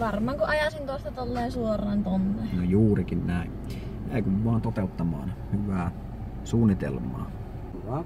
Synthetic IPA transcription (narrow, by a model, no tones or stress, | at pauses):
ʋɑrmɑːŋkoʔɑjɑsiŋk̪ost̪ɑt̪olːeːnsuorˑɑːnt̪onːenojuːrikinnæˑin | jæ̰ˑikyʋʋɑːnt̪ot̪eˑut̪ːɑmɑ̰ːnhyʋæː | suːnːit̪ḛlmˑɑ̰ː